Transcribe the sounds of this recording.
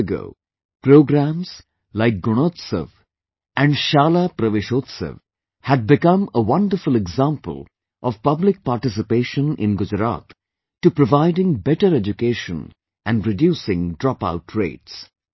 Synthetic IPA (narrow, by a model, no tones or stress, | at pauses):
əɡo̰ː | pɾoːɡɾæ̃mz̥ | laɪk̚ɡʊɽ̃oːt̪sə̰ʋ | ʔæ̃ɳɖʃaːlapɾəʋeʃoːt̪sə̰ʋ | hæɖ̚bɪkʌ̃məwʌ̃nɖəɾfʊleɡzãːmpə̰lˠ | ʔɔʋ̥pʌblɪk̚paːɾʈɪs̬ɪpeːʃə̃nɪ̰̃nɡʊd͡ʒɾa̰ːt̪ | ʈupɾoʋaɪɖɪ̃ŋbɛʈəɾed͡ʒukeːʃə̰̃n | ʔæ̃ɳɖɾɪɖjuːsɪ̃ŋɖɾɔpa̰ʊʈʰɾḛːʈs